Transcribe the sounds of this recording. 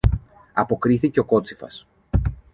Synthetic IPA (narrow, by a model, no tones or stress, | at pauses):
ɐpo̞kɾiθice̞o̞ko̞t͡sifɐ̰s